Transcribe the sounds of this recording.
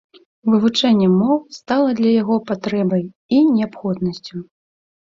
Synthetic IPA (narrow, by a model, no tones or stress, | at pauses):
vɨvut͡ʂɛnʲːɛmɔwst̪alˠɐd̪lʲɐjaɣɔpat̪ɾɛbɐj | inʲɛapxɔd̪nɐsʲt͡sʲu